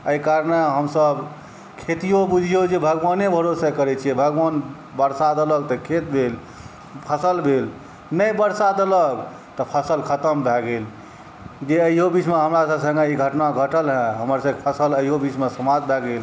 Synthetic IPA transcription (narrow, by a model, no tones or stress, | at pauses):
əikaɾneɦəmsəb | kʰet̪ijobud͡ʒʱijod͡ʒebʱəɡʋanebʱəɾosekəɾɛt͡ʃʰijɛbʱəɡʋan | bəɾsad̪ələɡ̚t̪ɔkʰet̪̚bʱel | pʰəsəlbʱel | nəjbəɾsad̪ələɡ | t̪ɔpʰəsəlkʰət̪əmbʱɛɡel | d͡ʒeəiɦobit͡ʃmeɦəmɾasəbsə̃ŋɡeiɡʱəʈnaɡʱəʈəlɦɛ̃ɦəməɾsə̃kpʰəsələiɦobit͡ʃmesəmad͡ʒ̪̚bʱɛɡel